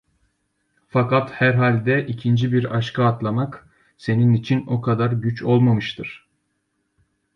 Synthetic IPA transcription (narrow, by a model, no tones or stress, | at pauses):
fakat̪hæɾɦalʲd̪ɛʔicʰind͡ʒibiɾaʃkʰaat̪lˠamak | se̞ninit͡ʃʰino̞kʰad̪aɾɟyt͡ʃʰo̞lˠmamɯʃt̪ʰɯɾ̥